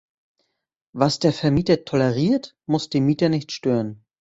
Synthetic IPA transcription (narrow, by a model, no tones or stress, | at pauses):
vasd̥eːɐfɛɐmiːtɐtʰɔlɛʁiːɐt | mʊsd̥eːmiːtɐnɪçtʃtøːʁən